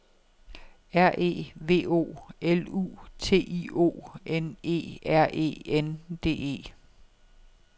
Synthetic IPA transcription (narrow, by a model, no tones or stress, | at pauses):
æɐ̰ʔe̝̰ːʋe̝̰ːo̝̰ːelṵːt͡sʰe̝̰ːḭo̝̰ːene̝̰ːæɐ̰ʔe̝̰ːend̥e̝̰ːe̝̰ː